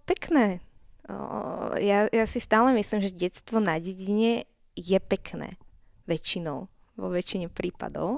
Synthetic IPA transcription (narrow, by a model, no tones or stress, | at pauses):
pɛknɛ̰ː | jajasist̪aːlɛmislimʒɛɟɛt̪st̪ʋɔnaɟɛɟiɲɛ | jɛpɛknɛ̰ː | ʋɛt͡ʃinɔʊ | ʋɔ̰ʋɛt͡ʃiɲɛpɾiːpa̰d̪ɔ̰ʊ